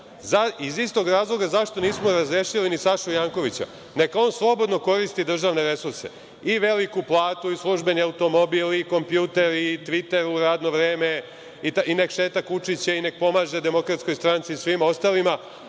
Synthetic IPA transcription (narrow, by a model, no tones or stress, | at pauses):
zaizist̪o̞ɡɾaːzlˠo̞ɡazaʃt̪o̞niːsmoɾazɾeːʃilinisaʃujaːŋko̞ʋit͡ɕa̰ | ne̞kao̞ːnslˠo̞bo̞d̪no̞ko̞ɾist̪id̪r̩ʒaʋne̞ɾe̞suɾse̞̰ | iʋe̞likuplˠaːt̪uislˠuʒbe̞niaut̪o̞mo̞biliko̞mpjuːt̪e̞ɾit̪ʋit̪e̞ɾuɾaːd̪no̞ʋɾe̞ːme̞ | it̪inekʃe̞ːt̪akut͡ʂit͡ɕaine̞k̚po̞maːʒe̞d̪e̞mo̞kɾat̪sko̞jst̪ɾant̪sisʋimo̞st̪aːlima